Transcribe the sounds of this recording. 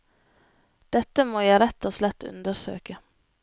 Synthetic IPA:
d̪̥ɛt̪ːəmoːjæɪɾɛt̪ːɔslɛt̪ʰːʉ̰nd̪əʂø̰ːkə

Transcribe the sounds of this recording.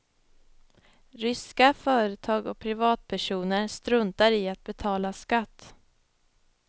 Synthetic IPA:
ɾʏskafœːɾət̪ʰɑːɡɔk̚pʰɾɪvɑːt̪̚pʰæʂuːnəɾst̪ɾɵnt̪aɾɪat̪̚bɛt̪ʰɑːlaskat̪ː

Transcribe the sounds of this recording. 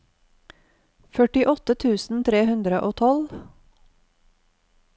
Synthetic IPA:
fœʈɪʔɔt̪ət̪ʰʉːsn̩t̪ʰɾeːhʉnd̪ɾəʔoːt̪ʰɔl

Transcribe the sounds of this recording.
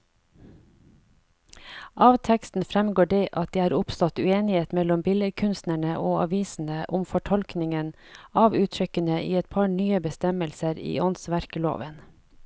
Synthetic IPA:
ʔɑːʋt̪ʰɛkst̪n̩fɾɛmɡoːɖeːʔɑt̪̚d̪iːhɑːɾʊpst̪ɔt̪ʉːeːnɪheːt̪mɛlɔmbɪləkʰʉnst̪næɳəʔoːɑ̰ʋiːsn̩əʔʊmfɔʈʰɔlknɪŋən | ɑːʋʉːt̪ʰɾʏkənəʔḭːɛt̪̚pʰɑɳyːəbəst̪ɛməlsəɾḭːɔnsʋæɾkəlo̰ːʋən

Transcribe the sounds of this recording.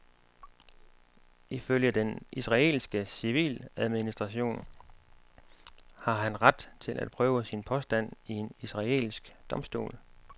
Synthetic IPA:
iføljəd̥enʔisʁɑ̈e̝̰ːlsɡ̥əsiʋḭːlæð̞ˠminisd̥ʁɑ̈ɕo̝̰ːn | hɑ̈ɦænʁad̥t͡sʰe̝lʔæ̰d̥̚pʰʁœːʊəsinpʰɒ̽sd̥æn̰ie̝nisʁɑ̈e̝̰lisɡ̥d̥ɒ̽msd̥o̝̰ːl

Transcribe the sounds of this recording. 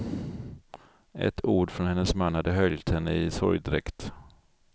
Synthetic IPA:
ʔɛ̰t̪ʰuːɖfɾɔnhɛnːəsmanːhad̪ːəhœljt̪hɛnːəɪsɔ̰ɾjd̪ɾɛkt̪

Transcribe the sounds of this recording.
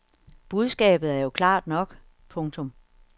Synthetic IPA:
b̥uð̞ˠsɡ̥ɛ̰ːb̥ð̩ˠæɐjo̝kʰlɑ̰̈ːd̥nɒ̽ɡ̥ | pʰɔ̽ŋt͡sʰɔ̽m

